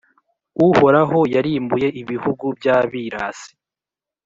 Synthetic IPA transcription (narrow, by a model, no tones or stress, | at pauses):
uho̞ɾaɦo̞jaɾiːmbuje̞ʔiβihuɡubjaːβiɾaːsi̥